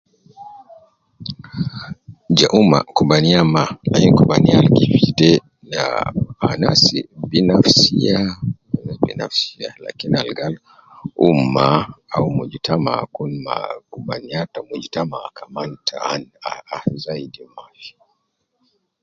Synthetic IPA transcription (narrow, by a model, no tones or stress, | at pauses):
d͡ʒaʔuma̰kubaniamalakinikubanialɡifitɛ | naanasibinafsianbḭna̰fsiala̰kinialɡal | umaaumud͡ʒitama̰kunma̰kubaniatamud͡ʒitamakʰamantʰaanaazaidimafi̥